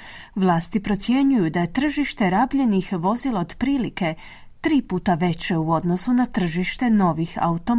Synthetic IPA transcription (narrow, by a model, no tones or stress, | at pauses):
ʋlˠaːst̪ipɾo̞t̪sje̞ɲujud̪aje̞t̪r̩ʒiʃt̪e̞ɾabʎe̞nixʋo̞zilaod̪pɾiːlike̞ | t̪ɾiːpuːt̪aʋe̞t͡ɕe̞uo̞d̪no̞sunat̪r̩ʒiʃt̪e̞no̞ʋixa̰ut̪o̞